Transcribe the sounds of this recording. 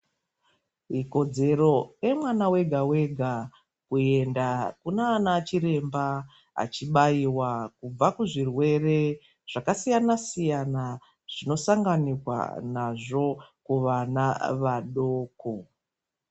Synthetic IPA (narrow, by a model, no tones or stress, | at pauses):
iko̞d͡ze̞ɾo̞emwanawe̞ɡʱawe̞ɡʱa | kue̞ndakunaːnaːt͡ʃiɾe̞mba | a̰t͡ʃiɓaiwakub͡vakuʐirwe̞re̞ | ʐ̥akasijanasijana | ʐ̥ino̞saŋɡanikwa̰naʐo̞kuʋanaʋaɗo̞ːko